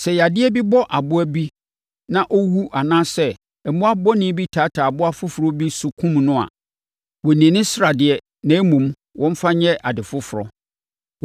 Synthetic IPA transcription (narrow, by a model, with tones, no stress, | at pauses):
sɛ˨ja˨dɪ˦ɛ˦bi˦bɔ˦ʔa˨bʊ˦æ˦bi˦ | nã˦ʔɔ˦wu˦ʔa˨nãː˦sɛ˦ | ɛ˨mũ˦a˦bɔ˦nɪ̃˦bi˦tʰaː˨˦tʰa˨bʊ˦a˦fʊ˦fʊ˨ɾɔ˦bi˦sʊ˦kʰũ˦mnʊ̃˦a̰˨ | wɔ˨nĩ˨nɪ̃˦sɾa˨dɪ˨ɛ˨ | nã˨˦mũ˨m | wʔɔ̃˦m̩˦fa˦ɲɛ̃˦ʔa˨dɪ˨fʊ˦fʊ˨ɾɔ̰˨